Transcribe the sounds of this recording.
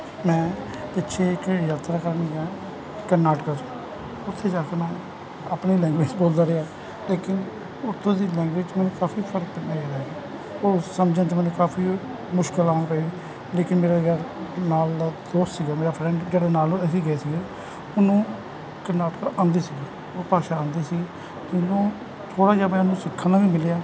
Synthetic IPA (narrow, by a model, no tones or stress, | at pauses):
mɛ̃ː | t̪ɪtːʃʰeːkːjaːt̪ɾaːkəɾnĩːɡaː | kənaːʈɪkaːt͡ʃo | ʊt̪ʰːeːd͡ʒaːkeːmɛ̃ː | apniːlɛ̃ːŋɡʋeːd͡ʒboːld̪aːɾeːaː | leːkɪn | ʊt̪ʰːõːd̪iːlɛ̃ːŋɡʋeːd͡ʒt͡ʃmɛ̃ːnũːkaːpʰiːpʰəɾək̚pɪnãːɡeːɾaiː | oːsəmd͡ʒãːt͡ʃːmɛ̃ːnẽːkaːpʰiː | mʊʃkəlaːpəiː | leːkɪnmeːɾaːɡənaːld̪oːst̪siːɡaːmeːɾaːpʰɾɛ̃ːɳɖd͡ʒeːɽeːnaːlsiːɡəeːsiːɡeː | ʊnũː | kənaːʈəkaʔãːnd̪iːsiːɡeː | oːpaːʃaːãːnd̪iːsiːɡeː | d͡ʒɪnõː | t̪ʰoːɽaːd͡ʒaːbɛ̃ːʊnũːsɪkʰːaːnãːʋiːmɪleaː